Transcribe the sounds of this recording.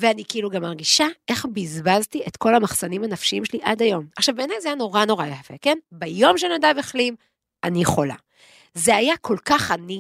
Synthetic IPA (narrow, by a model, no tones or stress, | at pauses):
veanikiiluɡamːaʁɡiʃae̞χbizbaztietko̞lamaχsanimhanafʃiimʃeliʔadajo̞maχʃavbeːnajzeajano̞ʁano̞ʁajafe̞̰ke̞nbajo̞mʃenadaveχlim | aniχo̞la̰ | zeajakʰo̞lkaχani